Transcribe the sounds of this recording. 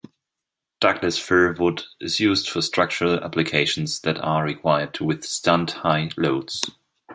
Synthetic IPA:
d̥aɡlɨsfɜɹvʊdɪzjuːzdfəstɹ̥ʌk̚t͡ʃəɹəlæ̰plɨkʰeɪʃn̩zðɨtəɹikʰw̥aɪə˞dwɪð̥stʰãndhaɪloʊds

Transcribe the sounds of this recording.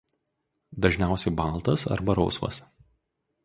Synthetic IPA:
d̪ɐʒʲnʲæˑʊsʲɛɪbɑˑlˠˑt̪ɐsɐ̰ɾbɐɾɔʊsʋɐ̰s

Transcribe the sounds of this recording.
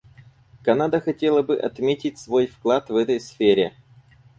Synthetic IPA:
kɐnad̪əxɐtʲe̞lˠəbɨʔɐ̰t̪mʲetʲɪt̚ʲsvo̞jfklˠat̪vɛt̪əjsfʲeɾʲɪ

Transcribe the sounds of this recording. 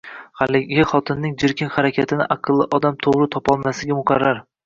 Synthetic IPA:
halɪɡʲɪχɒt̪ʰɪnːɪŋd͡ʒɪɾkʲʰɪnχaɾakʲʰat̪ʰɪnɪʔɑqʰɨlˠːɪʔɒd̪amt̪ʰoʁɾɪt̪ʰɒpɒlˠmasɪɡʲamʊqʰɑɾːaɾ

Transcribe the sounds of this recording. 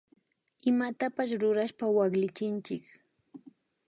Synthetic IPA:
ɪmat̪apaʃɾʊɾaʃpawaχlɪt͡ʃɪnt͡ʃɪk

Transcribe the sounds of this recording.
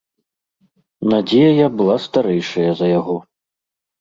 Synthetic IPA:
nad͡zʲejɐjabɨlˠast̪aɾɛjʂɐjɐzɐjaɣɔ

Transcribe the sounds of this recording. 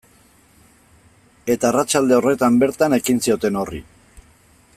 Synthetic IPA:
e̞t̪aːrat͡ʃald̪e̞o̞re̞t̪ambe̞ɾt̪ane̞kinsio̞t̪e̞no̞rḭ

